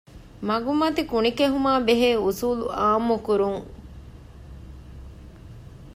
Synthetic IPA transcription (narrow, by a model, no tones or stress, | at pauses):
mɐɡumɐt̪ikunikeɦumaːbeɦeːusuːlṵaːmːukuɾuŋ